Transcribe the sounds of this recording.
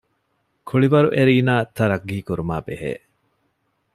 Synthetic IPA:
kʰuɭiʋɐɾuʔeɾiːnaːt̪ʰːɐɾɐɡːiːkuɾumaːbeɦḛː

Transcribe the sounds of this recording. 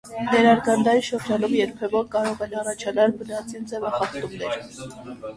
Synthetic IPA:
nɛɾɑɾɡɑnd̪ɑjiʃəɾd͡ʒɑnumjɛɾpʰɛvɔɾkɑɾɔʁɛnɑrɑt͡ʃʰɑnɑlbənɑt͡sind͡zɛvɑχɑχt̪umnɛɾ

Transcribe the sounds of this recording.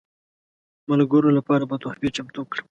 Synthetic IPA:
malɡəɾolapɑɾabat̪oxbet͡ʃamt̪ukɽəm

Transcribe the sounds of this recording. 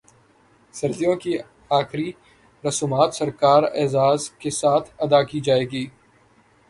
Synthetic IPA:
sɐɾd̪ijõːki | aːxɾi | ɾɐsuːmaːt̪sɐɾkaːɾɛ̰ːzaːzkesaːt̪ʰɐd̪aːkiːd͡ʒaːeːɡiː

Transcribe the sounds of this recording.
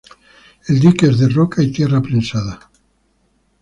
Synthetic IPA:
eld̪ikezðerokait̪jerapɾensaða

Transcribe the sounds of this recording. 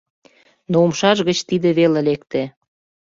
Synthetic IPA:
noumʃɑʒɣət͡ɕt̪id̪eβelelekt̪ĕ

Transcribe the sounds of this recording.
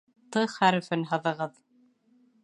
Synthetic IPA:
t̪ɤχæɾɵ̆fɵɘnɦɤ̆ðɤ̆ʁɤð

